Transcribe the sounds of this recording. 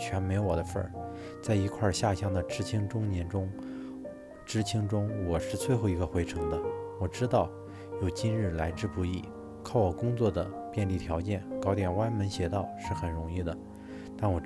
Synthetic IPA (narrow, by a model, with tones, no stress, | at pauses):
t͡ɕʰɥɛ˧˥nme˧˥ɪwɔ˨˩d̪ə˦fə̰˞˥˩ | t͡sa˥˩ɪi˧˥kʰwa˥˧ɕja˥˩ɕjɑ˥ŋd̪ə˨ʈ͡ʂɻ̩˥t͡ɕʰi˥ŋʈ͡ʂʊ˥ŋnjɛ˧˥nʈ͡ʂʊ˥ŋ | ʈ͡ʂɻ̩˥t͡ɕʰi˥ŋʈ͡ʂʊ˥ŋwɔ˨˩ʂɻ̩˥˧t͡sʰwe˥˧ɪxo˥˩ʊi˧˥ɡə˧xwe˧˥ɪʈ͡ʂʰɤ˧˥ŋd̪ə˧wɔ˨˩ʈ͡ʂɻ̩˥t̪ɑ˥˩ʊ | jo˨˩ʊt͡ɕi˥nɻɻ̩˥˩la˧˥ɪʈ͡ʂɻ̩˥˧pu˧˥i˥˩ | kʰɑ˥˩ʊwɔ˨˩kʊ˥ŋt͡swɔ˥˩d̪ə˩ | pjɛ˥˧nli˥˩t̪ʰjɑ˧˥ʊt͡ɕjɛ˥˩nkɑ˧˥ʊt̪jɛ˨˩nwa˥nmə˧˥nɕjɛ˧˥t̪ɑ˥˩ʊʂɻ̩˥˩xə˨˩nɻʊ˧˥ŋi˥˩d̪ə˩ | t̪a˥˩nwɔ˨˩